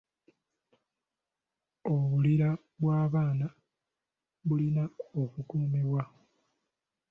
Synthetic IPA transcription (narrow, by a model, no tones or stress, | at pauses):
oβuliɾa | βwaːβaːna | βulinaokukuːmewa